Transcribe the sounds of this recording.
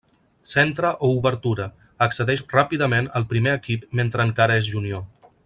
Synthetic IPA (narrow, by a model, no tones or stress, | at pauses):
sent̪ɾəʔouβəɾt̪uɾə | əksəðɛʃrapiðəmenəlˠpɾimeəkip̚ment̪ɾəːŋkaɾəezʒunio